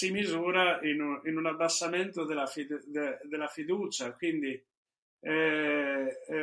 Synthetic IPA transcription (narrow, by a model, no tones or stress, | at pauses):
simizuːɾainuinunabːasːamɛnt̪od̪elafid̪ed̪elafid̪uːt͡ʃakwind̪i | ɛ